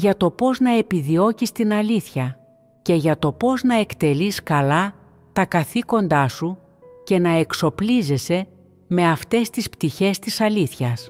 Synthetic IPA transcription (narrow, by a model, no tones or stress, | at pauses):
ʝɐt̪o̞po̞znɐe̞piðio̞cist̪inɐliθçɐ | ce̞ʝɐt̪o̞po̞znɐekt̪e̞liskɐlɐ | t̪ɐkɐθiko̞nd̪ɐsu | ce̞nɐe̞kso̞plize̞se̞ | me̞ɐft̪e̞st̪ispt̪içe̞st̪isɐliθçɐs